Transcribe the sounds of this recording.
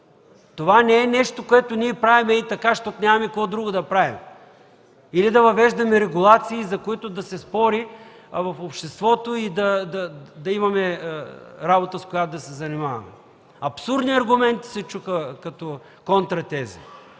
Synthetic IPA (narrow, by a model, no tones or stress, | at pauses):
t̪ovanɛɛnɛʃt̪okoɛt̪oniɛpɾavimɛit̪ɐkaʃt̪ɔt̪nʲamɐmikoɔd̪ɾuɡod̪ɐpɾavim | ilid̪ɐvɐvɛʒd̪ɐmɛɾɛɡulˠat̪siːzɐkoit̪ʊd̪ɐsɛspɔɾi | vɐfopʃt̪ɛst̪vɔt̪oid̪ɐd̪ɐd̪ɐimɐmɛ | ɾabot̪əskoʊjat̪ʊd̪ɐsɛzɐnimavɐ̰mɛ̰ | ɐpsuɾd̪niɐɾɡʊmɛnt̪i̥sɛt͡ʃuxəkɐt̪ɔ | kont̪ɾɐt̪ɛzḭ